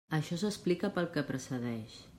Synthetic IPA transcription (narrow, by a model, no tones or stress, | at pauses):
əʃɔsəsplikəpəlˠkəpɾəsəðɛʃ